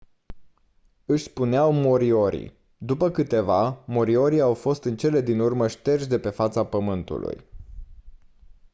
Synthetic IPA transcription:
ɨʃʲspuneawmoɾio̞ɾḭ | d̪upəkɨt̪e̞vamo̞ɾio̞ɾiawfo̞st̪ɨnt͡ʃe̞le̞d̪inurməʃt̪e̞rʒd̪e̞pe̞fat̪sapəmɨnt̪ṵlṵj

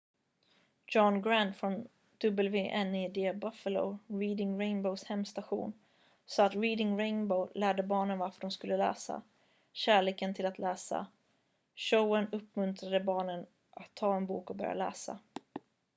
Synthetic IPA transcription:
d͡ʒɔnɡɾant̪fɾɔn | d̪̥ɵbɛlveːʔɛnːɪd̪eːbafəlo̰ɾiːd̪ɪŋɾeɪnboʊshɛmːst̪aɧṵːn | sɑːat̪ɾiːd̪ɪŋɾeɪnboʊlæːɖəbɑːɳənvaɾfəɖɔmskɵlːəlɛ̰ːsa̰ | ɕæːɭeːkənt̪ʰɪlat̪ʰlɛːsa̰ | ʃoʊənɵpːmɵnt̪ʰɾad̪əbɑːɳən | ʔat̪ʰːɑːɛnbṵːkɔbœ̰ɾj̰a̰lɛ̰ːsa̰

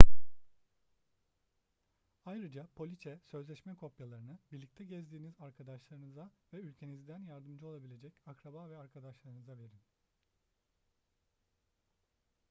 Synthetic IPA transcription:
ajɾɯd͡ʒapʰo̞lʲit͡ʃʰɛsøzlʲɛʃmɛkʰo̞pjalˠaɾɯnɯbiɾlʲic̚t̪ʰɛɟɛzd̪iːnizaɾkʰad̪aʃlˠaɾɯnɯzavɛylʲcʰe̞nizd̪ænjaɾd̪ɯmd͡ʒɯo̞lˠabilʲe̞d͡ʒɛcakɾabavɛaɾkʰad̪aʃlˠaɾɯnɯzave̞ɾim

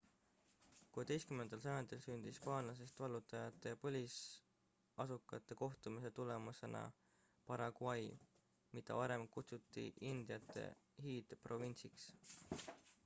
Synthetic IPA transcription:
kut̪e̞jskymend̪̥ɑlsɑjond̪elsynd̪̥ispɑːnlɑs̬e̞st̪vɑlːut̪ːˑɑjɑt̪ːˑe̞pɤlʲis | ɑsukːˑɑt̪ːˑe̞ko̞ht̪umise̞t̪ule̞muse̞̰nɑ̰ | pɑɾɑɡwɑj | mid̪̥ɑ̰vɑɾe̞mkut̪sut̪ːˑḭʔind̪̥ijɑt̪ːˑe̞̰ɦiːd̪̥pro̞vinʲsiks

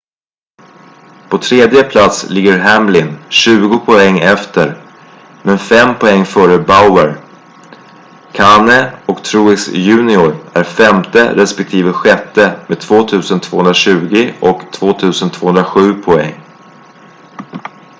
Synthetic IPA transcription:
pʰɔt̪ʰɾeːd̪jəpʰlat̪slɪɡːəɾɦæmlɪnɕʉ̟ːɡʊpʰɔɛŋːɛft̪əɾ | mɛnfɛmpʰɔɛŋːfœːɾəbaʊəɾ | kʰanəɔkt̪ʰɾuːɪsjʉ̟ːnɪʊɾæɾfɛmt̪ə̰ɾɛspɛk̚t̪ʰiːvəɧɛt̪ːəmeːd̪̚t̪ʰvoːt̪ʰʉ̟ːsənt̪ʰv̥oːɵnɾaɕʉ̟ːɡɪɔkt̪ʰv̥oːt̪ʰʉ̟ːsənt̪ʰv̥oːhɵnɾaɧʉ̟ːpʰɔɛ̰ŋː

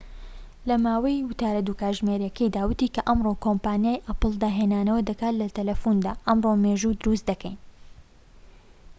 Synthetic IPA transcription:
lɐmaːwɐjwʊt̪aːɾɐd̪uːkaːʒmeɾjɐkʰɐjd̪aːwɨt̪ikɐʔɐmrokʰompaːnijaːjʔɐpɨlˠd̪aːɦenaːnɐwɐd̪ɐkaːt̪lɐt̪ɐlɐfund̪aːʔɐmromeːʒud̪ʊɾust̪d̪ɐkʰɛ̰jn

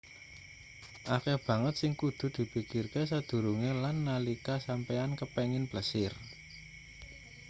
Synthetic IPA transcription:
ʔakɛb̥ä̤ŋət̪sɪŋkud̪̥ṳd̪̥i̤pikirkesad̪̥ṳɾuŋelanːalikasampɛankəpɛŋɪnb̥ləsɪr

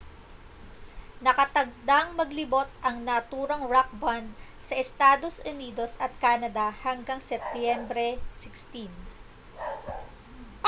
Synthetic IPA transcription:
nɐkɐt̪ɐɡ̚d̪aŋmɐɡlɪbo̞t̪̚ɐŋnɐt̪uːɾɐŋɹak̚band̪̚ | sɐʔɛst̪aːd̪o̞sʊniːd̪o̞sɐt̪̚kaːnɐd̪ɐhɐŋɡaŋsɛp̚t̪jɛmbɾɛsɪkst̪in

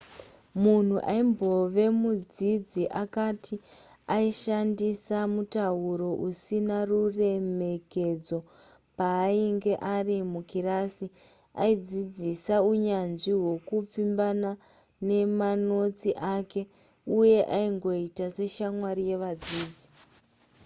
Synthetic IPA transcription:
mun̤uʔaimbo̞ʋe̞mud͡zid͡ziʔakatʰi | aiʃandisamutauɾo̞ʔusinarure̞me̞ke̞d͡zo̞ | paːiŋɡe̞ʔarimukirasi | a̰id͡zid͡zisauɲanʐiɦwo̞kup͡fimbana | ne̞mano̞t͡siʔake̞ | uje̞ʔaiŋɡo̞itase̞ʃamwaɾije̞ʋad͡ziːd͡zi

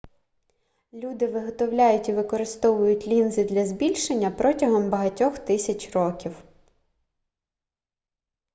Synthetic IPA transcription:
lʲud̪ɪʋɪɦɔt̪ɔwlʲajʊtʲiʋɪkɔɾɪst̪ɔʋʊjʊtʲlʲinzɪd̪lʲɐzbʲilʲʃenʲːɐpɾɔtʲɐɦɔmbɐɦɐtʲɔxt̪ɪsʲɐt͡ʃrɔkʲiw

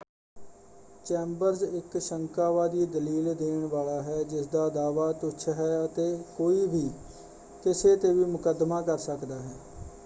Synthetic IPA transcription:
t͡ʃɛːmbəɾzɪkʃəŋkaːʋaːd̪iːd̪əliːld̪eːɳʋaːlaːɦɛːd͡ʒɪsd̪aːd̪aːʋaːt̪ʊtːʃʰɦɛːət̪eːkoːiːbiː | kɪseːt̪eːʋiːmʊkəd̪maːkəɾsəkd̪aːɦɛː

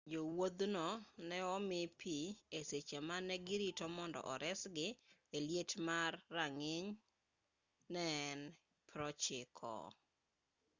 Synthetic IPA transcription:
d͡ʒowod̪nɔnɛɔmɪpʰieset͡ʃemanɛɡɪɾitɔmɔndɔ̰ʔɔɾɛsɡɪeljetmarːaŋɪɲ | nɛn | pɾɔt͡ʃɪkʰɔ̰

